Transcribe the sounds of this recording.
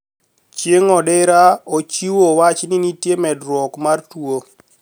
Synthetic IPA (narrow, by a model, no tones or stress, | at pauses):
t͡ʃjeŋɔdeɾaot͡ʃiwowat͡ʃninitjemɛdɾwɔkmartwo